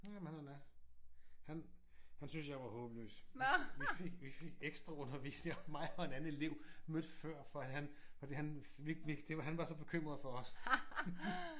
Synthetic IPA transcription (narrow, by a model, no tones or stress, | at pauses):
æmhænnæ | hæn | hænsynsjɑ̈ɪʋɑ̈hɔ̽ːb̥lø̰ːsʋifeɡ̥ʋife̝ɡ̥eɡ̥sd̥ʁɑ̈ɔ̽nɐʋḭːsneŋɒmːɑ̈ɪɒ̽e̝d̥æn̩ˠe̝le̝ʊ̰mød̥fɶɐ̰fɒ̽ihænfɒ̽d̥ḭːhæn | ʋi̥ʋid̥e̝ʋɑɦænʋɑ̈sɒ̽b̥e̝kʰøm̰ʁɐðˠfɒ̽ɒs